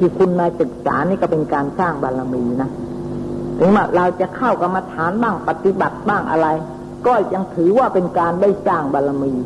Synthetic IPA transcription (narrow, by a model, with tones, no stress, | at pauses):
t̪ʰiː˧˩kʰu˧nmaː˧jsɯ˨˩k̚sa̰ː˩˦niː˥˩kɔː˥˩pe˧nkaː˧nsaː˥˩ŋbaː˧la˧miː˧na˦˥ | t̪ʰɯ˨˦ŋwaː˧˩ɾa˧wt͡ɕa˨˩kʰa˥˩wka˧mːa˧t̪ʰaː˨˩˦nbaː˥˩ŋpa˨˧˩t̪i˧˦ba˨˩t̪̚baː˥˩ŋʔa̰˧ɾa˧j | kɔː˥˩ja˧ŋt̪ʰɯː˨˦waː˧˩pe˧nkaː˧nda˥˩jsaː˥˩ŋbaː˧la˧miː˧